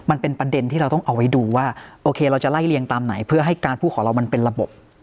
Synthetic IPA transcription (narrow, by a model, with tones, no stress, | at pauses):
ma˧npe˧npɾa˧de˧nt̪ʰiː˥˩ɾa˧wt̪ɔ˥˩ŋʔa˧wa˦˥jduː˧waː˥˩ʔoː˧kʰeː˧ɾa˧wt͡ɕa˨˩la˥˩jli˧əŋt̪aː˧mna̰˩˦jpʰɯ˥˩ɐɦa˥˩jkaː˧npʰuː˥˩kʰɔː˩˦ɾa˧wma˧npe˧nɾa˧bo̰˨˩p̚